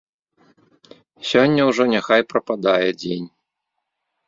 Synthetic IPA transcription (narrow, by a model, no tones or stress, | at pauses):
sʲɔnʲːɐwʐɔnʲaxajpɾɐpad̪ajɛd͡zʲenʲ